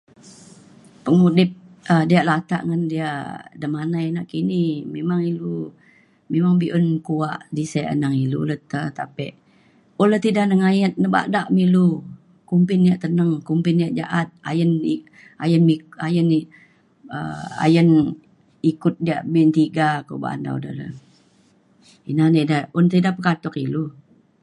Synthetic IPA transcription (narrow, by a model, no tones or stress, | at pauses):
pəŋudɪp̚ | ədiaʔlat̪a̰ʔŋəndiadəmanajnaʔkinimemaŋilu | memaŋbiʔənkuaʔdisaə̰naŋilṵlət̪ət̪apɛʔ | oləht̪idahnəŋajət̪̚nəba̰ʔdaʔmilu | kumpɪnːjaʔt̪ənəŋkumpɪnijaʔd͡ʒaʔat̪̚a̰jəni | ajənmiajəni | ə̰a̰jən | ikʊt̪̚diaʔbint̪iɡako̰ba̰ʔa̰nda̰ṵdə̰də̰ | inanedəʊnt̪idapəkat̪ɔkilu